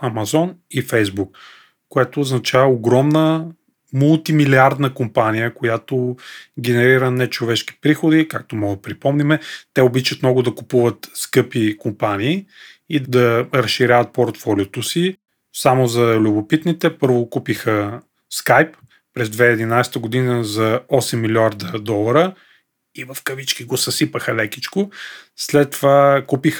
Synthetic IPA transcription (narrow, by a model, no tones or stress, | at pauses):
ɐmɐzɔnifɛjzbukː | ojɛt̪oːznɐt͡ʃavəoɡɾɔmnə | mʊlˠt̪imiliaɾd̪nəkompanijəkojat̪oɡʲɛnɛɾiɾənɛt͡ʃovɛʃki̥pɾixod̪ikak̚t̪omɔɡ̪pɾipɔmnimɛt̪ɛobit͡ʃət̪mnɔɡʊd̪ɐkupuvət̪skɤpikompaniː | id̪d̪ɐɾɐʃʃiɾʲavət̪̚poɾt̪fɔlʲiot̪osi | samozɐlʲubopit̪nit̪ɛpɤɾvokupixə | skajpː | ɾɛzd̪vɛɛd̪inajst̪əɡʊd̪inəzɐɔsɛmːilʲiaɾd̪əd̪ɔlˠɐɾə | ivɐfkɐvit͡ʃkiɡosɐsipəxəlɛkʲit͡ʃkoslɛt̪ːovakupix